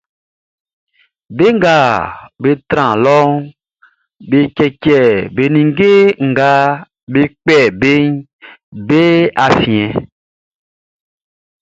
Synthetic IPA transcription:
be˦ŋ̩˦ɡa˨be˦t̪ɾã˨lɔ˦ŋ | be˨kɛ˨kɛ˨be˨nĩ˨ŋ˦ɡe˦ŋ̩˨ɡa˦ | be˦k͡pɛ˦˨be˦ɲ | be˦a˨fĩ˨ɛ̃˨

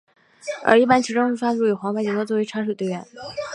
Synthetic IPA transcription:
ʔə̰˞˧˥i˥˩pa˥nt͡ɕʰi˧˥ʈ͡ʂo˥ʂu˥˩fa˥ʈ͡ʂu˥˩jy˨˩xɑ˧˥ŋpa˥ɪt͡ɕi˧˥ŋʰɤ˥t͡swɔ˥˩we˥ɪʈ͡ʂʰa˥ʂɻ̩˥˩t̪we˥˩ɪɥɛ̰˧˥˦n

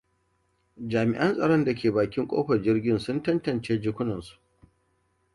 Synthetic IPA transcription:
d͡ʒaː˨mɪ˨ʔɐ˦nsʼɐ˨ɽɔ˦nda˨kʲʰeː˨baː˨kʲɪ˦ŋkʷʼo̰ː˦ɸɐ˨d͡ʒɪ˦rɡʲɪ˦nsʊ˦ntɐ˦ntɐ˨nt͡ʃeː˦d͡ʒɪ˦kʷʊ˦nɐ˨nsu̥˨ʔ

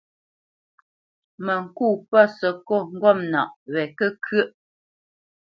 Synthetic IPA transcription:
mə˨ŋ̩˨kuː˦˨pə˦˨sə˨ko˦˨ŋ̩˦ɡwɔ˦˨mna̰˨ʔwɛ˨kə˦kʰə˦ʔ

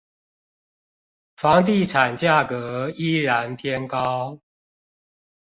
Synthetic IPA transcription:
fɑ˧˦ŋt̪̬i˥˨ʈ͡ʂʰa˨˩nt͡ɕja˥˩kə˧˦i˦ɻa˧˦np̪ʰjɛ˥˦nkɑ˦ʊ

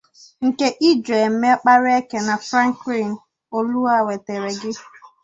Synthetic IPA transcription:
ŋ̩˨ke˦ʔi˦d͡ʒe˨m̩˦me˦k͡pa˦ɾe˦ke˨na˨fɾa˦ŋ˨kɾi˦˨n̩˨ | o˦lu˦a˦˨we˨te˨ɾe˨ɡɪ˦

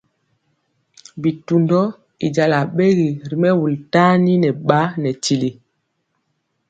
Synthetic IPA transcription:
bi˨tu˨ndɔ˦ | i˨d͡ʒa˨la˨ɓe˦ɣi˨ɾi˨mɛ˦wu˨lta˦ni˦nɛ˨ɓa˦nɛ˨ti˨li˨

